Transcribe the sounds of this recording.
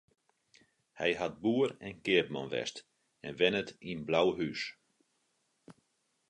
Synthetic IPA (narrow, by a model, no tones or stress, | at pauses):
hɛ̰jɦat̚buərɛnkɪəp̚mɔ̰nʋɛ̰st | ɛnʋɛnətinblawɦys